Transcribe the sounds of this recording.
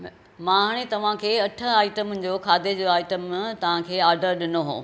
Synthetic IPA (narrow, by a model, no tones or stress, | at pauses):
mãːɦaɽ̃et̪ɐʋ̤ãkʰeːɐʈʰʊ̆aːɪʈəmd͡ʑoːkʰaːd̪ed͡ʑoaːɪʈəmt̪ɐʋ̤ãkʰeːaːɾɖəɾɗɪnoɦõ̰ː